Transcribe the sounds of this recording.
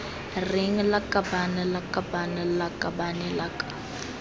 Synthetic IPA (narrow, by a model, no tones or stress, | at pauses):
riŋlakʼabanɛlakʼabanɛlakʼabanɛlakʼḁ